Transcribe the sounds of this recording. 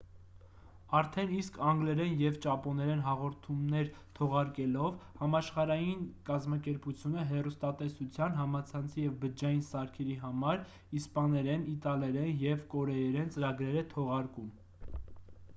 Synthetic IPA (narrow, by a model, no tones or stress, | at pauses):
ɑɾt̪ʰɛniskʰɑŋɡlɛɾɛnjɛvt͡ʃɑpɔnɛɾɛnɦɑʁɔɾt̪ʰumnɛɾt̪ʰɔʁɑɾkɛlɔvhɑmɑʃχɑɾɑjinkɑzmɑkɛɾput͡sʰjunəɦɛrust̪ɑt̪ɛsut͡sʰjɑnɦɑmɑt͡sʰɑnt͡sʰijɛvbəd͡ʒɑjinsɑɾkʰɛɾiɦɑmɑɾ | ispɑnɛɾɛnit̪ɑlɛɾɛnjɛvkɔɾɛjɛɾɛnt͡səɾɑɡɾɛɾɛt̪ʰɔʁɑɾkum